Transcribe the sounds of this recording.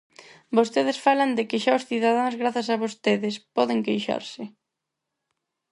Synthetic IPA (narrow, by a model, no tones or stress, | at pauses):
bost̪eð̞ɪsfalɐnd̪ɪkɪʃaʊsθiðað̞aŋzɣɾaθasaβost̪eðɪspɔðɪŋkejʃa̰ɾsɪ